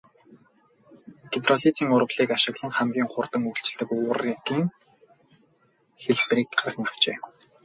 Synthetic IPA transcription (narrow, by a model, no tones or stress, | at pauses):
ɡ̥et̪rɔɮit͡siːŋʊɾə̆ɮiːkaʃɪ̆ɣɮə̆ŋχæmɡʲiːŋχʊrt̪ə̆ŋuɬt͡ɕ̆ɮt̪ɘ̆kʊːriɡiːŋ | xeɮt̪riːkɢarχə̆ŋaw̥t͡ɕḛː